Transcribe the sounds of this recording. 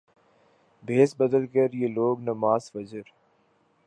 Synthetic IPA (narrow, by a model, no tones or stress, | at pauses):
bʱeːsbɐd̪əlkəɾjeːloːɡnɐmaːzfɐd͡ʒəɾ